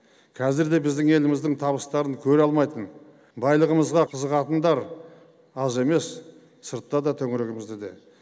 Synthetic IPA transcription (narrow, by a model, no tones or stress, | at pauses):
kʲʰæzɪɾd̪e̞bɪzd̪ɪŋe̞lɪmɪzd̪ɪŋt̪ʰɑβəst̪ɑɾəŋkʲʰɵɾɑlˠmɑjt̪ən | bɑjlˠəʁəməzʁɑqʰəzəqɑt̪ənd̪ɑɾ | ɑze̞me̞s | səɾt̪ːɑd̪ɑt̪ʰɵŋɪɾe̞ɡʲɪmɪzd̪ed̪e̞̰